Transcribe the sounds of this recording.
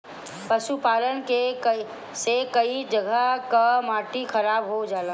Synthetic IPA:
pəʃupaːlənkek | sekəid͡ʒəɡʱəkamaːʈixʰəɾaːbɦod͡ʒaːlã

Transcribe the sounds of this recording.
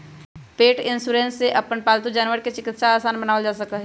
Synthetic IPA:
peːʈɪ̃nsuːɾẽːnsːeʔɐpənpaːlt̪̬ũd͡ʒaːnʋəɾket͡ʃɪkɪt̪ʃaaːsaːnbɐnaːʋəd͡ʒaːsɐkaɦɛ

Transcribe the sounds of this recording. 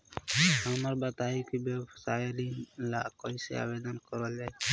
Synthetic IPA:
ɦəməɾbət̪aikibebsajlilakɔisḛa̰ːbed̪ənkɔɾɔd͡ʒae

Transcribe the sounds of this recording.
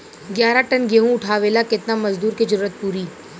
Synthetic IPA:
ɡjaːɾaʈɐnɡeːɦũʊʈʰaːʋeːlakɪt̪namɐzd̪uːɾkid͡ʒɐɾuːɾət̪̚puːɾiː

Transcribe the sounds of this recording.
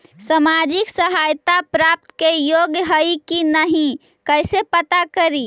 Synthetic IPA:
səmad͡ʒiksəɦajt̪apɾap̚t̪kejoɡjəɦəjkinəɦĩ | kəjsepət̪akəɾi

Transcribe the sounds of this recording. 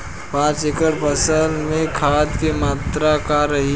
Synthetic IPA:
pãːt͡ʃekəɽpəsəlmẽkʰat̪kimat̪ɾakaɾəɦi

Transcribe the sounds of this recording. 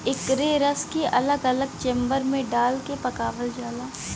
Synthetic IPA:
ɪkɾeɾəskeʔɐləɡɐləɡ̚t͡ʃẽːmbəɾmẽɖaːlkepɐkaːʋəld͡ʒaːlaː

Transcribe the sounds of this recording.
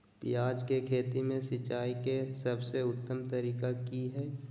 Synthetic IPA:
pɪjaːd͡ʒkekʰeːt̪imẽsɪt͡ʃaːikesɐbseʊt̪ːəmt̪ɐɾiːkakiɦɛː

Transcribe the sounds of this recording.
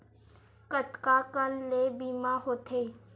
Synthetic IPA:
kət̪kaːkəlleːbiːmaɦoːt̪ʰeː

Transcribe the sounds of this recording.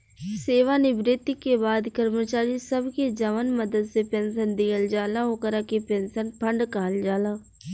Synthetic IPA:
seːʋaːnɪbɾɪt̪ɪkːebaːd̪kəɾmət͡ʃaːɾisəbked͡ʒəʋənməd̪əd̪sepɛ̃ːnsənd̪ɪjəld͡ʒaːlaːɦoːkəɾaːkepɛ̃ːnsənpʰəɳɖkaɦəld͡ʒaːlaː

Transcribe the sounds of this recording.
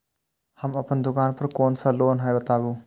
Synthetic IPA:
hɐmɐpʰɐnd̪ukanpʰɐɾkonsalonɦajbɐtabu

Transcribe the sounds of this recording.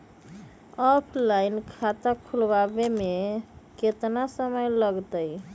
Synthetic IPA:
ɔpʰlajnkʰat̪akʰulbabemeket̪nasəməjləɡt̪əj

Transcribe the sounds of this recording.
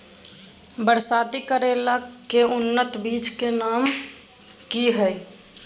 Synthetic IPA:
bəɾsaːt̪ikəɾelakeʊnːət̪biːt͡ʃkenaːm | kiɦəj

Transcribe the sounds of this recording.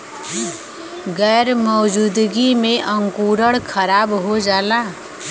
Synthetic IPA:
ɡɛːɾmɔːd͡ʒuːd̪ɡimẽʔə̃ŋkuːɾəɽkʰəɾaːbɦod͡ʒaːlaː

